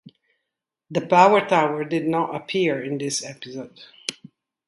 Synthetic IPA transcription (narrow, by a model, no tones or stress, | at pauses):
ðɨpʰaʊə˞tʰaʊə˞dɨdⁿnəɾəpʰiɹɪ̃nðɪsɛpɪzoʊd̥